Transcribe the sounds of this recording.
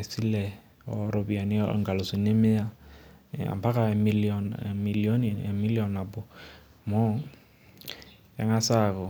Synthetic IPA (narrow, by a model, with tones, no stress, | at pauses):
e˨si˦lɛ˨ | ɔ˨ɾo˨bi˨a˨nḭ˦˨ŋ̩ɡa˨lʊ˨si˨ne˦mɪ˦a˦ | a̰˨mpa˦ka˨mi˦lɔnmi˨lio˦ni˨mi˦li˦ɔ˨na˨bʊ˨ | mɔ˦ | ja̰˨˦ŋa˦sakɔ˨